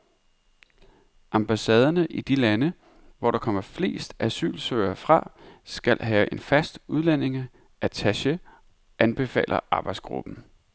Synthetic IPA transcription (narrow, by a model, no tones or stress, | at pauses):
ʔɑ̈mb̥æsɛːð̞ˠɐnəʔid̥ilænə | ʋɒɾ̥ɑ̈kʰɒ̽m̰ɐfle̝̰ːsd̥æsy̰ːlsøɪɐfʁɑ̈sɡ̥æl̰ɦɛːʔe̝nfæsd̥uð̞ˠlæne̝ŋ | ʔæt͡sʰæɕə | ʔænb̥e̝fɛ̰ːlʔɐ̰ʔɑ̈ːb̥ɑ̈ɪd̥sɡ̥ʁṵb̥n̩